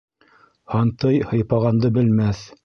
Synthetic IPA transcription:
hɑnt̪ɤjhɤ̆jpɑʁɑnd̪ɤbɘ̆lmæθ

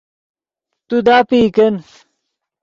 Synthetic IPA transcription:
t̪ud̪aːpiːkɐns

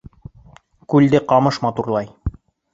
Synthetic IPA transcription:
kʉld̪ɘqɑmɤʃmɑt̪uɾlˠɑj

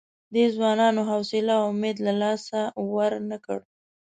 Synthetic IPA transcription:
d̪əzwɑnɑnoɦawsɪlawʊmed̪lalɑsawaɾnəkə̰ɽ

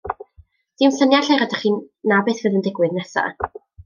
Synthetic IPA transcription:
d̥ɪmɬənjaɬɛɾadaχiːnnabeːθveːðəndɪɡwɪðnɛsa̰

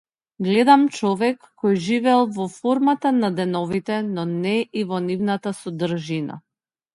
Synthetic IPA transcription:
ɡlɛd̪amt͡ʃɔvɛkːɔjʒivɛlˠvɔfɔɾmat̪anad̪ɛnɔvit̪ɛnɔnɛʔivɔnivnat̪asɔd̪ɾ̩ʒina̰

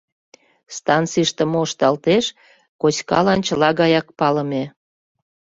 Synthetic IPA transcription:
st̪ɑnt͡siʃt̪ə̆moʃt̪ɑlt̪eʃ | kot͡ɕkɑ̰lɑnt͡ɕəlɑɣɑjɑk̚pɑlə̆me

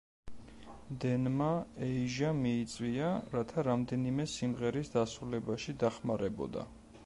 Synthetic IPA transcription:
d̪ɛnmaɛiʒamiːt̪sʼwiaɾat̪ʰaɾamd̪ɛnimɛsimʁɛɾisd̪asɾulɛbaʃid̪aχmaɾɛbɔ̰d̪a̰

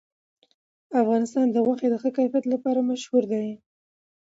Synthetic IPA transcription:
afɣɑnɪst̪ɑnd̪əɣwaxed̪əxəkajfjat̪lapɑɾamaʃhuɾd̪aj

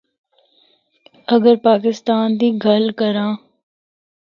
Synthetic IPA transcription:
ɐɡəɾpaːkɪst̪aːnd̪iːɡʱəlkəɾãː

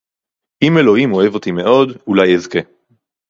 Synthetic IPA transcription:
ime̞lo̞himo̞e̞vo̞t̪ime̞ʔo̞dulajezke̞

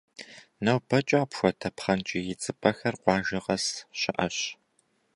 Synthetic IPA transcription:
nɐwbɐt͡ʃʼɐːpxʷɔtʰɐpχɐnt͡ʃʼɪjɪt͡sʼɨbɐxɐrqʷɑːʒɪʁɐsɕɪʔɐɕ

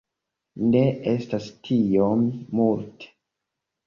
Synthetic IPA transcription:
ne̞e̞stastʰijomːulte̥

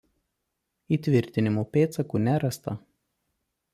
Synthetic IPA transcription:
iːˑt̪ʲʋʲɪɾʲt̪ʲɪnʲɪmuːpʲeːt̪sɐkuːnʲæɾɐst̪ɐ

